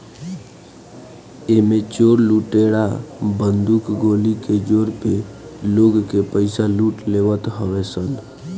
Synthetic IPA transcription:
emet͡ʃoɾluʈeɽabənd̪ukɡoliked͡ʒoɾpeloɡkepəɪsaluʈleʋət̪ɦəʋɛsən

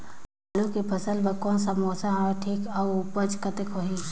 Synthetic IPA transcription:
aːlukepʰəsəlbəkɔːnsamoːsãɦaʈʰiːkawpət͡ʃkət̪ekoɦi

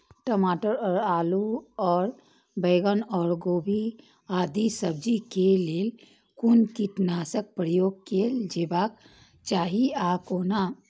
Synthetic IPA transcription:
ʈəmaːʈəɾɔːɾaːluɔːɾ | bəɪɡənɔːɾɡoːbʱi | aːd̪isəb̚d͡ʒikeleːl | kunt̪iʈnaːsək̚pɾəjoːɡkeld͡ʒebak | t͡ʃaːɦiakoːna

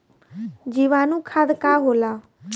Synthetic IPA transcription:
d͡ʒiːʋãːnũːkʰad̪kaːɦoːlaː

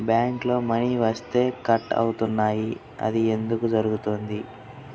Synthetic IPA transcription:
bjaːŋklo̞ːmɐniʋɐst̪e̞ːkɐʈːɐ̰wut̪unːaːji | ɐ̰d̪ie̞nd̪ukud͡ʒɐɾuɡut̪oːnd̪i

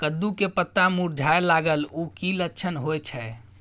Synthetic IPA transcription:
kəd̪ːukepət̪ːamuɾd͡ʒʱajlaɡəlukilətːt͡ʃʰənɦojt͡ʃʰɛ

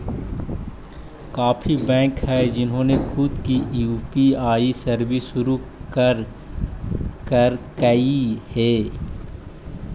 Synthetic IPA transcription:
kaːpʰibɛ̃ːŋkhɛd͡ʒɪnɦõnexʰʊd̪kijuːpiaːisɐɾbɪsʃʊɾukɾ | kəɾkɐihɛː

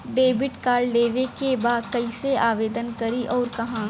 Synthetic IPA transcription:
ɖeːbɪʈkaːɾɖleːʋekebaːd̪kɐɪseaːʋeːd̪ənkɐɾiʔɔːɾkɐɦãː

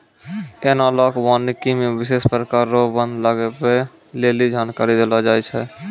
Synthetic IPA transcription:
eːnalɔːkbaːnikimẽwɪʃeːspɾəkaːɾːobə̃nd̪ləɡepe | leːlid͡ʒaːnkaːɾid̪elad͡ʒaːjt͡ʃʰɛ

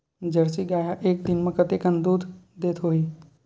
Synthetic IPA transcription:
d͡ʒəɽsiɡaːjaʔeːk̚d̪ɪnmẽkət̪ekənd̪uːd̪d̪eːt̪ɦoːiː

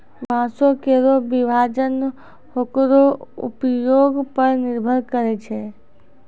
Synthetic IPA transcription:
bãːsokeɾobɪbʱad͡ʒən | hokɾoʊ̰pjoːɡpəɾnɪɾbʱəɾkəɾet͡ʃʰe

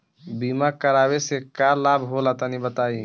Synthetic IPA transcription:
biːmakəɾaːwesekalabʱɦolat̪anibət̪aːi

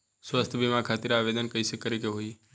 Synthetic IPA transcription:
swəst̪ʰbimakʰat̪iɾaʋed̪ənkəisekəɾikeɦoi

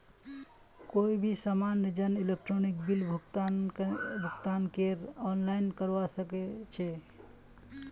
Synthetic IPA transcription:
koibʱisamanːəd͡ʒənilek̚ʈɾonik̚bilbʱukt̪ | bʱukt̪ankeɾɔnlaɪnkəɾʋasəket͡ʃʰɛ

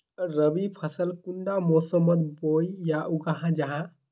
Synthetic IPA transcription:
ɾəbipʰəsəlkuɳɖamosəmət̪̚bojjaʔukəɦãd͡ʒəɦã

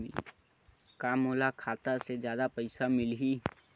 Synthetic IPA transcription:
ḭ | kaːmoːlakʰaːt̪ased͡ʒjaːd̪apəɪsamɪlɦi

